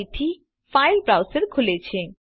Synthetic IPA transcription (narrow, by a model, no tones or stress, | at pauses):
it̪ʰi | fajlbɾawseɾkʰulet͡ɕʰe